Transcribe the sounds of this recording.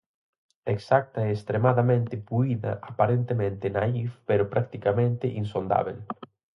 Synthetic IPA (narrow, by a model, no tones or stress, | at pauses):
eksak̚t̪aeest̪ɾemaðamẽnt̪ɪpuiða̰ʔapaɾent̪emẽnt̪ɪnaifpeɾʊpɾak̚t̪ikamẽnt̪ɪʔinsond̪a̰βel